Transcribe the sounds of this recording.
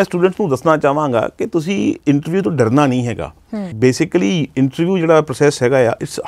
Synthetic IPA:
ɛ̃ːsʈuːɖə̃ɳʈsnũːd̪əsnaːt͡ʃaːʋãːŋɡa̰ːkɪt̪ʊs̬ĩːɪɳʈəɾʋjuːt̪õːɖəɾnaːnəĩːɦɛːɡa̰ː | beːsɪkliːɪɳʈəɾʋjuːd͡ʒeːɽaːpɾoːsɛːsɦɛːɡaːja̰ːʔɪʈs

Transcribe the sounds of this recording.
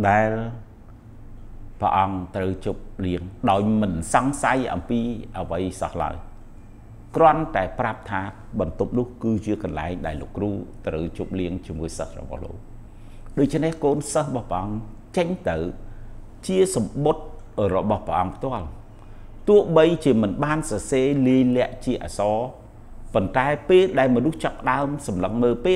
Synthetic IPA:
ɗaɛl | pə̰̆ʔɑŋt̪rəwt͡ɕup̚liəŋɗaɔjmɨnsɑŋsajʔɑ̰mpiːʔəʋəjsɑ̰hla̰əj | krŏənt̪aɛprap̚t̪ʰaː | ɓɑnt̪up̚nʊ̆əhkɨːt͡ɕiəkɑnla̰ɛŋɗaɛlːo̰ːkːruːt̪rəwt͡ɕup̚liəŋt͡ɕiəmuəjsə̰hrɔ̰ɓɑ̰hlo̰ːk̚ | ɗoːc̚t͡ɕʰnehkoːnsəhrɔɓɑhpəʔɑŋ | t͡ɕəɲt̪ɨw | t͡ɕiəsɑmɓot̪̚ | rɔɓɑhpəʔɑŋpʰt̪ŏəl | t̪ʊəhɓəjt͡ɕiəmɨnɓaːnsɑseːliəjlɛ̆əʔt͡ɕiəʔa̰ːsɑː | pont̪aɛpeːlɗaɛlmɔnuht͡ɕapːə̆ɗaəmsɑmləŋməːlpeːl

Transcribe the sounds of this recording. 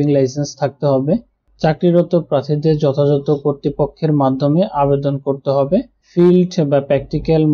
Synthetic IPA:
iŋlajsenst̪ʰak̚t̪eɦɔbe | t͡ɕakɾiɾɔt̪opɾat̪ʰid̪eɾd͡ʑɔt̪ʰad͡ʑɔt̪okoɾt̪ɾipokʰːeɾmad̪ʱomeʔabed̪onkoɾt̪eɦɔbe | filɖebapɾɛk̚ʈikalm

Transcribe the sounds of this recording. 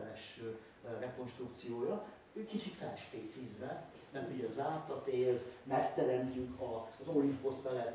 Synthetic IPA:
nɛʃø | rɛko̞nʃt̪rukt̪sijoːjɒ | øːkit͡ʃit̪fɛʃpeːt̪sizbɛ | mɛuɟɒzaːt̪ɒt̪eːlmɛkt̪ɛɾɛnt̪yŋkʰɒzolimpost̪t̪ɛlɛ

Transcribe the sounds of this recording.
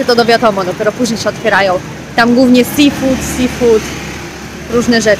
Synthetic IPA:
ɛt̪ɔd̪ɔvʲjat̪ɔmɔd̪ɔpʲjɛɾɔpuʑɲejɕɛɔt̪fʲjɛɾajɔ̃w̃ | t̪amɡwuvɲɛsifut̪sifut̪ | ɾuʐnɛʐɛ

